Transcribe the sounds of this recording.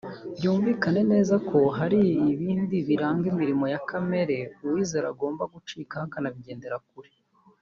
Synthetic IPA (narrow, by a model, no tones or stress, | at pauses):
βjuːɱviːkane̞ne̞ːzakʰo̞ɦaɾiiβiːndiβiɾaːŋɡimiɾimo̞jakame̞ɾe̞uwiːze̞ɾa̰ɡo̞ːmbaɡut͡ʃiːkahakanaβiɟe̞ːnde̞ɾak̚uɾe̥